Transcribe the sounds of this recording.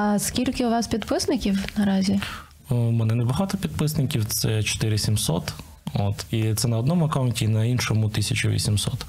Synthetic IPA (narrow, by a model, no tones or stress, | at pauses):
ɐskʲilʲkɪʊʋɑspʲid̪pɪsnɪkʲiwnɐɾɑzʲi | mɛnɛnɛbɐɦɑt̪ɔpʲid̪̚pɪsnɪkʲiwt̪sɛt͡ʃɔ̥t̪ɪɾɪsʲimsɔ̰t̪ | o̰t̪it̪sɛnɐɔd̪nɔmʊɐkɑwʊnʲtʲinɐinʃɔmʊt̪isʲɐt͡ʃʊʋʲḭsʲimsɔ̰t̪